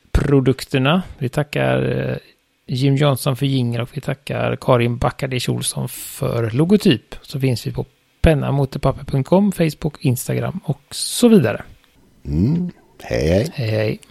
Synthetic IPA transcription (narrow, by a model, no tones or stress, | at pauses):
pʰɾʊd̪ɵkt̪əɳavɪt̪ʰakːa̰ɾ | jɪmːjɔnsɔnfœɾjɪŋːəɾɔkvɪt̪ʰakːa̰ɾkʰɑːɾɪnbakːaɖɪʃṵːlsɔ̰nfœ̰ɾlʊɡʊt̪ʰyːpsɔfɪnsvɪpʰɔ | pʰɛnːa̰muːt̪əpʰapːəpʰɵŋt̪̚kʰɔmːfɛjsbʊkʰɪnst̪aɡɾa̰mːɔksɔviːd̪a̰ɾə̰ | hɛ̰jɛjhɛhɛj